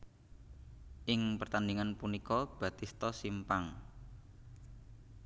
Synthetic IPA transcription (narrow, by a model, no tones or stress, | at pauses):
ʔɪŋpərt̪andiŋanpunikɔb̥ä̤t̪ist̪ɔsimpaŋ